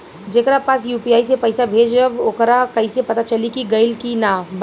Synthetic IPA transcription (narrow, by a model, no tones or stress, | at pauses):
d͡ʒeːkɾapaːsjuːpiaːisepɐɪsabʱeːd͡ʒəboːkɾakɐĩsepɐt̪at͡ʃɐlikiɡɐɪlkinaːb